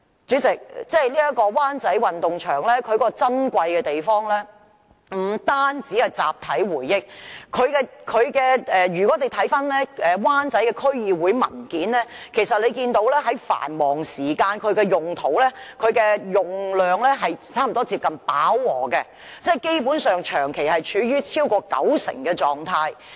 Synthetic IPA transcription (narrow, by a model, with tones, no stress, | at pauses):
t͡syː˨˥t͡sɪ˨k̚t͡sɛː˥˩jliː˥ɐ˥tkɔː˧waː˥nt͡sɐ˨˥jwɐ˨nt̪ʊ˨ŋt͡ʃʰœː˨˩ŋlɛː˥kʰɵ˨˧ɥkɔː˥kɔ˧t͡sɐ˥nkʷɐ˧jkɛː˧t̪e˨jfɔː˥ŋlɛː˥ | m̩˨˩t̪aː˥nt͡siː˨˥hɐ˨˩jt͡sa̰ː˨p̚t̪ʰɐ˨˥jwuː˨˩jːɪ˥k̚kʰɵ˨˧ɥkɛ˧kʰɵ˨˧ɥkɛː˧ɛː˨ɥyː˨kɔ˨˥t̪e˨jt̪ʰɐ˨˥jfɐ˥nlɛː˥ɛː˨waː˥nt͡sɐ˨˥jkɛː˧kʰɵ˥ɥjiː˨˧wuː˨˥jmɐ̰˨˩nkiː˨˥nlɛː˥kʰe˨˩jsɐ˨t̚le˨˧jkiː˧nt̪o˨˥wlɛː˥ɦɐ˨˥jfa̰ː˨˩nmɔː˨˩ŋsiː˨˩kaː˧nkʰɵ˨˧ɥkɛː˧jʊ˨ŋt̪ʰo˨˥wlɛː˥kʰɵ˨˧ɥkɛː˧jʊ˨ŋlœː˨ŋlɛː˥ɦɐ˨jt͡sʰaː˥m̩˨˩t̪ɔː˥t͡siː˧p̚kɐ˨npaː˨˥wːɔː˨˩kɛ˧ | t͡sɛː˥˩jke˥jpuː˨˥nsœː˨ŋt͡ʃʰœː˨˩ŋkʰe˨˩jhɐ˨jt͡ʃʰyː˨˧jyː˥t͡sʰiː˥wkɔː˧kɐ̰˨˥wsɪ̰˨˩ŋkɛː˧t͡sɔː˨ŋt̪ʰaː˧j